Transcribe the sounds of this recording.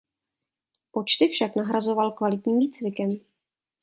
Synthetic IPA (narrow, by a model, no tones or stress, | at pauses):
po̞t͡ʃt̪ɪfʃaknaɦɾazo̞valkvalɪt̪ɲiːmviːt͡svɪkɛm